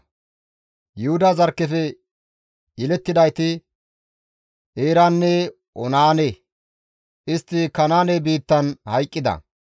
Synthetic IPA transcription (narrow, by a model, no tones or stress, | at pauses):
jʊhʊd̪ɐzɐɾkːɛfɛ | jɛlɛt̪ːɪd̪ɐjt̪ɪ | ʔeːɾanːɛ | ʔɔnaːne | ʔɪst̪ːɪkɐnaːnebiːt̪ːɐnhɐjkʼːɪd̪ɐ̰